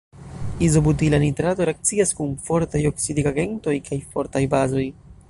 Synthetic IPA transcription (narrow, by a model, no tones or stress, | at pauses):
izo̞but̬ilanitɾato̞ɾe̞ak̚t͡siaskunfo̞ɾtajo̞ksidikaɡe̞nto̞jkʰajfo̞ɾtajbazo̞j